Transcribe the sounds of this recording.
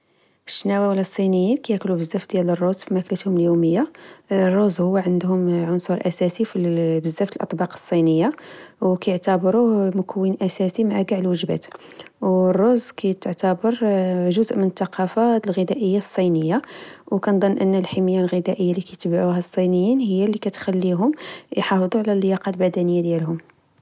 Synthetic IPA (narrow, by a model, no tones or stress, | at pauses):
ʃːnæwæwlːæsˤːinəjːinkæjæklubəzːæfd̪jælərˤːozfimæklət̪hʊməljuməjːarˤːozhʊwːæʕənd̪hʊmʕʊnsˤuɾˤʔæsæsifibəzːæft̪əlʔɑ̰t̪ˤbɑqə̥sˤːinəjːawkæjəʕt̪æbɾumʊkəwːənʔæsæsimaʕaɡaʕəlwəʒbæ̰t̪ | wrˤːozkæjt̪əʕt̪æbəɾʒʊzʔmənət̪ːɑqʰɑfalɣəd̪æʔəjːasˤːinəjːawkænd̪ˤɑnːʔənːəlħiməjːalɣəd̪æʔəjːalikæjt̪bʕuɦæsˤːinəjːinhəjːalːikæt̪xælːiɦʊmjħɑfd̪ˤuʕalælːəjɑqɑlbæd̪ænəjːad̪jælɦʊm